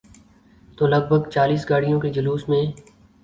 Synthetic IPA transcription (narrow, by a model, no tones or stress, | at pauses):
t̪oːləɡ̚bʱəɡt͡ʃaːliːsɡaːɽijõked͡ʒəluːsmẽː